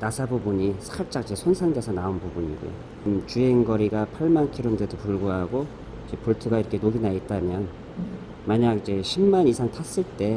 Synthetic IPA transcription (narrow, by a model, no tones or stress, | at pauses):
nasʰabubuɲisʰkʰaɭt͡ɕ͈akid͡ʑesʰonsʰaŋd͡ʑesʰʌnaonpubuɲḭɡo̰jo̰ | mt͡ɕueŋɡʌɾiɡapʰaɭmankʰiɾomdedopuɭɡoɦaɡo | id͡ʑepuɭtʰɯɡaiɾʌkʰe̞noɡinait̚t͈amjʌn | maɲaɡid͡ʑe̞ɕʰimːanisʰaŋtʰas͈ɯɭt͈e̞